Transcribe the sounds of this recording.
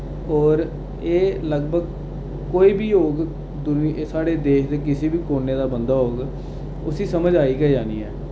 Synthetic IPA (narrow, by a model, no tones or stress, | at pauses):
ɔːɾ | eːləɡbəɡ | koːiːbiːoːɡ | d̪ʊnsaːɽeːd̪eːʃd̪eːkɪsiːbiːkoːnːeːd̪aːbənd̪aːɦoːɡ | ʊsiːsəməd͡ʒaːiːɡɛd͡ʒaːniːɦɛː